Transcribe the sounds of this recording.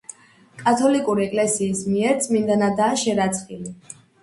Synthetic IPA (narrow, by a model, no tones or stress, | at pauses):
kʼat̪ʰɔlikʼuɾiɛkʼlɛsiːsmiɛɾt̪sʼmind̪anad̪aːʃɛɾat̪sʼχili